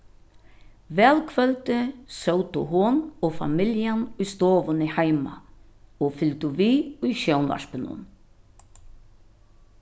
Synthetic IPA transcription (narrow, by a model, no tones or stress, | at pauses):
vɛːlkʰvœlt̪ɪsowt̪ʊɦunɔfa̰mɪljanʊjst̪oːʋʊnɪhajma̰ | ɔfʏlt̪ʊviːʊjʃownva̰ʂpɪnʊ̰n